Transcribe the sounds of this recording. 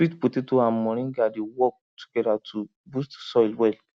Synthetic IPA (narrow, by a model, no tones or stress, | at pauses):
itputetoamɔ̃ɾ̃ĩɡadewɔk̚tu̥ɡ̥ɛdatʰu | bustsɔilwɛl